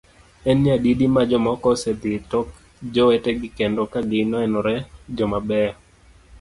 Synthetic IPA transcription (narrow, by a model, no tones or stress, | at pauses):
ɛnjadidimad͡ʒɔmɔkɔsɛd̪ɪtɔk | d͡ʒɔwɛtɛɡɪkendɔkaɡɪnɔɛnɔɾɛd͡ʒɔmabɛa